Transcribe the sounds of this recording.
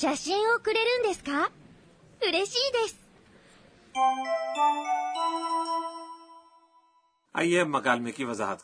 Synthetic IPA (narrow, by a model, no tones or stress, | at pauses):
ɕaɕĩɰ̃okɯ̟ɾe̞ɾɯ̟̃nd̪e̞sɨ̥ka | ɯɾe̞ɕiːd̪e̞sɨ̥ | a̰iːemɐɡaːlmẽkiːʋɐza̰ːɦət̪